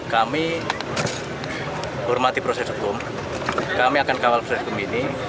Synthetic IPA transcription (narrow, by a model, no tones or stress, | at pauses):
kami | hɔrmat̪ipɾosɛsɦukʊm | kamiakankawalprosɛskəmbini